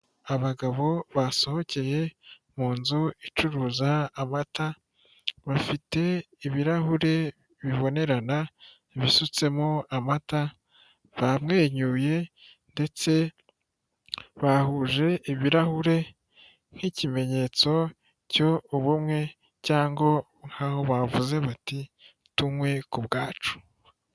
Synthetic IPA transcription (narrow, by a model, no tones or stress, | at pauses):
aβaɡaβo̞βaso̞ho̞ce̞je̞ | muːnzuit͡ʃuɾuːzaːmata | βafite̞ | iβiɾahuɾe̞ | βiβo̞ne̞ɾana | iβisut͡se̞moamata | βamŋe̞ːɲuje̞ | nde̞t͡se̞ | βahuʒe̞ʔiβiɾahuɾe̞ | ŋ̥hicime̞ɲe̞t͡so̞ | co̞uβumŋe̞ | caːŋɡo̞ | ŋ̥aho̞βavuze̞βati | tumwe̞kubɡaːt͡ʃu̥